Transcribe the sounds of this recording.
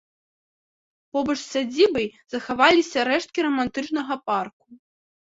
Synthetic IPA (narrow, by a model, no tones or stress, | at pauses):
pɔbɐt͡ʂsʲad͡zʲibɐjzɐxavalʲisʲɐɾɛʂt̪̚kʲiɾɐmant̪ɨt͡ʂnɐɣɐpark̚u